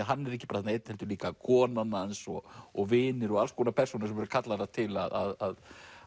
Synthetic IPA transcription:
ɦanːɛɾɛhcɪ̥paːɾaθɛt̪nejt̪nhɛlt̪ʏɾliːkakʰɔːnanːaɛnsɔɔɣvɪːnʏɾɔɣalskʰɔːnapʰɛr̥sunɪɾsɛmvɛɾʏ̥kʰat̪laɾat̪ʰɪla̰ða̰ðað

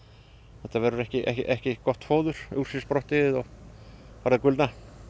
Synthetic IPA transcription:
θɛht̪ːavɛɾʏɾɛhcɪʔɛhcɪʔɛhcɪkɔht̪foːwðʏɾ̥ʏr̥sɪspɾɔht̪ɪðɔɣ | faɾðakʏlt̪na

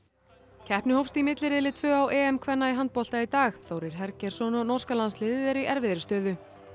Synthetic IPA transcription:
cʰɛhpnɪhowfst̪imɪt̪lɪɾɪðlɪt̪ʰvœːawʔɛːɛmkʰvɛnːaiɦant̪̚pɔl̥t̪ait̪aːxθowɾɪɾ̥ɦɛɾcɛɾ̥sɔnɔnɔrskalanslɪðɪðɛɾiʔɛɾvɪðɪɾɪ̥st̪œːðʏ

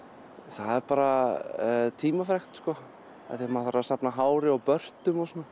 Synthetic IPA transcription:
θaðɛɾpaːɾa | t̪ʰiːmafɾɛxt̪skɔ | a̰θjamaθaɾaðsapnaɦaːwɾɪawpœr̥t̪ʏmɔsɔnːa

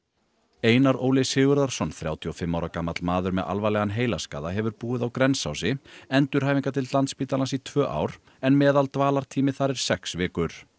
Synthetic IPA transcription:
eːjnaɾoːwlɪshɪːɣʏɾðaɾ̥sɔnθɾjaːwt̪ʰiɔfɪmːawɾakaːmat̪lmaːðʏɾmɛða̰lvalɛɣanɦeːjlaska̰ːðaɦɛvʏɾpuːɪðawkɾɛnsa̰wsɪɛnt̪ʏɾ̥hajviŋkat̪ʰɪlt̪lant̪spiːt̪alansit̪ʰvœːʔa̰ːwɾ̥ | ɛnmɛːðalt̪vaːlaɾ̥t̪ʰiːmɪθaɾɛɾ̥sɛksvɪːkʏɾ̥

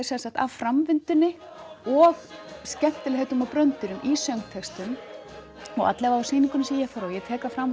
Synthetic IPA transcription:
sɛnsaht̪a̰vfɾamvɪnt̪ʏnːɪ | ɔɣscɛm̥t̪ɪlhejt̪ʏmapɾœnt̪ʏɾʏmisœwŋt̪ʰɛkst̪ʏm | ɔɣa̰t̪lɛvaasiːniŋkʏnɪsiːjɛfɛɾɔjɛt̪ʰɛːkafɾam

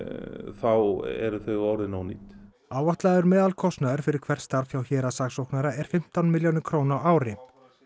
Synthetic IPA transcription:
θawɛ̰ɾʏθœɣawɾɪnawniːt̪ | aːwvaht̪laðʏɾmɛːðalkʰɔst̪naðʏɾ̥fɪɾɪɾ̥kʰv̥ɛr̥st̪aɾfçawçɛːɾasaksowhknaɾaɛɾ̥fɪm̥t̪awnmɪljownʏkʰɾownaaːwɾɪ

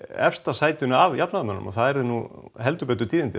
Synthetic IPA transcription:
ɛ̰fst̪asaːjt̪ɪnʏavjapnaðmœnːʏ̰mɔ̰θaðɛɾðʏnuɦɛlt̪ʏpɛt̪̬ʏt̪ʰiːðɪnt̪ɪ

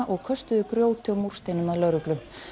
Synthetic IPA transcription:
ʔɔɣkʰœst̪ʏðʏkɾjoːwt̪ʰɪmur̥st̪ejnʏmaðlœɾʏklʏm

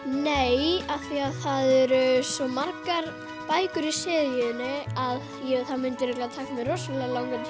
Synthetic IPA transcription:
nejaθiaðθaðɛɾʏsɔmaɾkaɾ | paːjkʏɾisɪːðjɪðɪnɪað | jɛθaðmʏnt̪ʏɾɛklat̪ʰaːkamɛɾrɔsʏlalawŋkʏ

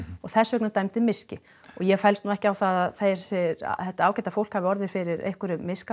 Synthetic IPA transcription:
ɔɣθɛsːʏœknʏt̪ajmt̪ɪmɪscɪ | ɔɣjɛfɛjlst̪nuɛhcɪawθaðaðθejɾ̥sɪɾa̰θɛht̪aaːwcɛjt̪afowl̥khavɪɔɾðɪ̥fɪɾɪɾḛjhkʏɾʏmɪska

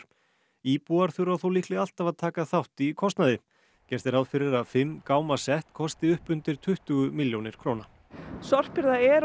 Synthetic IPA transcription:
iːpuaɾ̥θʏɾawθowliːklɛɣal̥t̪avaðt̪ʰaːkaθawht̪ikʰɔst̪naðɪ | cɛɾ̥t̪ɪɾaːwðfɪɾɪɾaðfɪmːkaːwmasɛht̪kʰɔst̪ɪʏhpʏnt̪ɪɾ̥t̪ʰʏht̪ʏɣʏmɪljownɪɾ̥kʰɾoːwna | sɔr̥pɪɾðaɛɾ

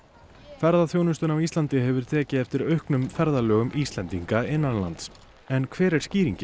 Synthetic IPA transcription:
fɛɾðaθjownʏst̪ʏnawiːst̪lant̪ɪɦɛvʏɾ̥t̪ʰɛːcɪɛft̪ɪɾœɥhknʏmfɛɾðalœːɣʏmʔist̪lɛnt̪iŋkaɪnːanla̰nt̪s | ɛnkʰvɛːɾɛɾ̥sciːɾiɲcɪ

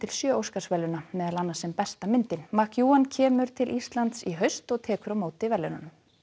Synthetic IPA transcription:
t̪ʰɪlsjœːowskasvɛlːʏnamɛːðalanːasɛmpɛst̪amɪnt̪ɪnmahkjuːancʰɛːmʏɾ̥t̪ʰɪlʔist̪lant̪siɦœɥst̪ɔɣt̪ʰɛːkʏɾawmoːwt̪ɪvɛlːʏnanʏm

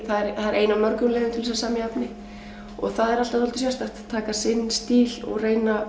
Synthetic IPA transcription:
θaðɛɾaðɛɾʔeːjnamœɾkʏmlɛːðʏmt̪ʰɪlvɛsasaːmɪapnɪ | ɔɣθaðɛɾalt̪aðhɔlt̪ʏsjast̪aht̪t̪ʰːaːkasɪnːst̪iːlɔ̰ɣreːjna

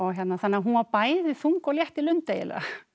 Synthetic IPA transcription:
ɔçjɛt̪naθanːaɦunvapaːjɪðɪθuŋkɔljɛht̪ilʏnt̪ejɪ̰la̰

